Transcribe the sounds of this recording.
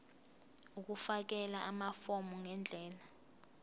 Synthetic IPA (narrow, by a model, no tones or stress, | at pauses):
uk̬ufak̬ɛlaʔamafɔmuŋɛnd͡ɮʱɛːla